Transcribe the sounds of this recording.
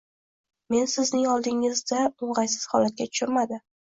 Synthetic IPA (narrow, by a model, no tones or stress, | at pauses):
me̞nsɪznɪŋɒlˠd̪ɪŋɪzd̪aʊɴʁɑjsɪ̥z̥hɒlat̪̚kʲat̪ʰʊ̥ʃʊɾmad̪ɪ